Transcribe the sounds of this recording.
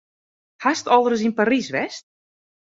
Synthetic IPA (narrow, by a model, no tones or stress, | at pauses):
hastɔlˠdərəs̬inparisʋɛst̚